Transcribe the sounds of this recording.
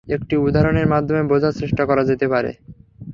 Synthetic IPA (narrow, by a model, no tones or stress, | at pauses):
ek̚ʈiud̪ʱaɾoneɾmad̪ʱːomebod͡ʑʱasɾeʃʈakɔɾad͡ʑet̪epaɾḛ